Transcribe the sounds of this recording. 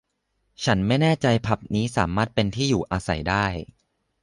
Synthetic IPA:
t͡ɕʰa˦˥nma˥˩jnɛː˥˩t͡ɕa˧jpʰa˨˩p̚niː˦˥saː˩˦maː˥˩t̪̚pe˧nt̪ʰiː˥˩juː˨˩ʔaː˧sa̰˨˩˦jdaː˥˩j

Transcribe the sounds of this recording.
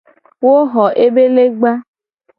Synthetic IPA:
wo˦ɣɔ˨ʔe˦be˦le˦ɡ͡ba˦

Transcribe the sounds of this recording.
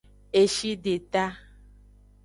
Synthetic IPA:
e˨ʃi˦ɖe˨t̪a˦

